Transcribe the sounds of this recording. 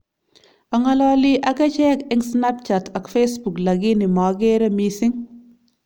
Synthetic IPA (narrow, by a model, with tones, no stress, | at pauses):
aŋalɔlɪ˦ʔa˨kɛ˦t͡ʃɛkɪŋsna˦p̚t͡ʃata˨kfesbu˨kla˨ɡi˦nɪ˨ma˨ɡɛɾɐmisɪ˦ŋ